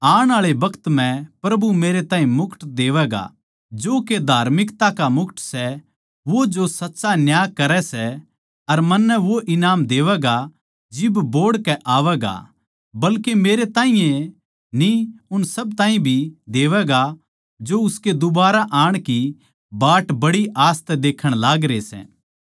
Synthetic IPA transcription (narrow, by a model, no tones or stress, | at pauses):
aːɽ̃aːɭebɐkʰt̪m̤ɛ̃pɾɐbumeːɾet̪ãːĩmʊkʰʈd̪eːʋɛːɡa̰ | d͡ʒoːked̪ʱaːɾmɪkt̪akamʊkʰʈsɛ | ʋod͡ʒosɐtːʃanjaːkɐɾɛsɛ | ɐɾmɐnːɛʋoʔɪnaːmd̪eːʋɛɡa | d͡ʒɪbboːɽkɛʔaːʋɛɡa̰ | bɐlkemeːɾet̪ãːɦĩjẽ | niʊnsɐbt̪ãːĩbʱid̪eːʋɛɡa | d͡ʒoʊsked̪ʊbaːɾaʔaːɽ̃ki | baːʈbɐɽiʔaːst̪ɛd̪eːkʰəɽ̃laːɡɾesɛ̰ː